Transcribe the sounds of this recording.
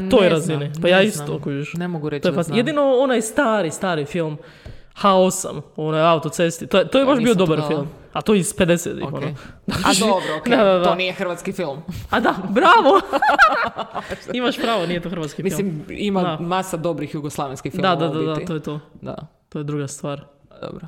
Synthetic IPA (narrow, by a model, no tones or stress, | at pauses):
ojɾazinipajaist̪okoieʃnemoɡuɾet̪ojepasjed̪inoonajst̪aːɾist̪aːɾifilˠm | xaosa̰monajaut̪ot̪sest̪it̪ojet̪ojebaʃbiod̪obaɾfilˠm | at̪ojisped̪esḛt̪ḭxonoaabɾod̪ad̪ad̪anijexr̩ʋat̪skifilˠmad̪abɾaːʋo | imaʃpɾaːʋonijet̪oxɾʋat̪skifmiilimimad̪amasad̪obɾixjuɡoslˠaʋinskifdiad̪ad̪ad̪aojet̪od̪a̰t̪ojed̪ɾuɡast̪ʋaːɾd̪o̰bɾo